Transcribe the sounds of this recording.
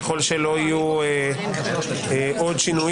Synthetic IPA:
xolʃelojue | ʔot͡ʃinu

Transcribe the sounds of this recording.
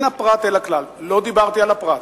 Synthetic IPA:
napɾat̪eləkʰlallod̪ibaɾt̪jalapɾat̪

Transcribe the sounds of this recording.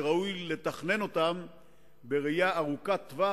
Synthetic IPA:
ʁaujle̞t̪aχne̞no̞t̪am | be̞ʁijaːʁukat̪va

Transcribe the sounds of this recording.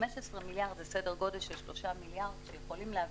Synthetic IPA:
meʃesʁemiljaʁd̪zesedeʁɡo̞delʃelʃlo̞ʃamiljaʁdʃejeχolimleav

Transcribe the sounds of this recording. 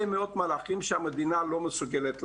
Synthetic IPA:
jmeo̞t̪malaχimʃeamed̪inalo̞mesuɡelet̪l

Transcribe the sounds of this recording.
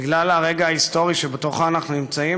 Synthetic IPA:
iɡlalaʁe̞ɡaaist̪o̞ʁiʃebet̪oχaːnaχnunimt͡sai

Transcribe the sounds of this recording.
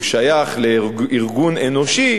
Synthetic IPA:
ʃajaχleiʁɡunenoʃi

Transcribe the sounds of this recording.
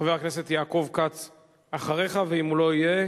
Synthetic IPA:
aveʁakne̞se̞t̪jaːko̞vkat͡s | aχaʁe̞χaveimulo̞ije

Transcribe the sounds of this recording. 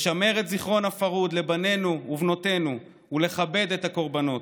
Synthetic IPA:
ʃame̞ʁetziχʁo̞nafaʁud̪le̞bane̞nuuvno̞te̞nu | ule̞χabe̞dethako̞ʁbano̞t

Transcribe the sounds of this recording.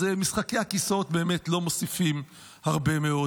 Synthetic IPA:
emisχakejhakiso̞t̪̚be̞ːmetlo̞mo̞sifim | haʁbe̞meo̞

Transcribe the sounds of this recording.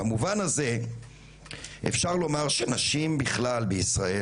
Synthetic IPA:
amuvanaze̞ | ʔḛfʃaʁlo̞maʁʃenaʃimbiχlalbeisʁae

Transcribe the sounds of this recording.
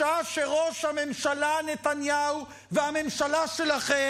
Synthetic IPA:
aʃeʁo̞ʃhame̞mʃalanet̪anjau | veame̞mʃalaʃelaχe

